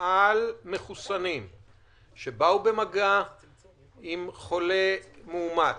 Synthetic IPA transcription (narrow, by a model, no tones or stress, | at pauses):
ʔalme̞χusanim | ʃebaube̞maɡa | imχo̞lemeuma